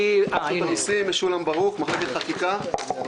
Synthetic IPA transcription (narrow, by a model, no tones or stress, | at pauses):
aχanisimeʃulambaʁukmaχleket̪χakika